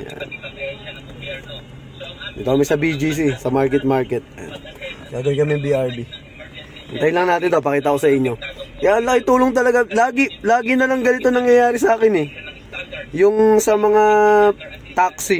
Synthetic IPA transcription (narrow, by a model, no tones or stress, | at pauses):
ja̰n | d̪it̪okɐmɛsɐbid͡ʒis̬isɐmaɹkɛt̪̚maɹkɛt̪̚a̰ɡaːɡ̪ɐnkɐmɛŋbiʔaɹbi | ɐ̰ŋt̪ajmlɐŋnaːt̪ɪnt̪o̞pɐkiːt̪ɐko̞sɐʔɪɲːo̞kɐjaʔɐŋlɐkɪŋt̪uːloŋt̪̬ɐlɐɡalaːɡɪlaːɡɪnɐlɐŋɡɐnɪt̪o̞nɐŋjɐjaːɾɪsɐaːkɪnɛ | jʊŋsɐmɐŋa | t̪aksɪ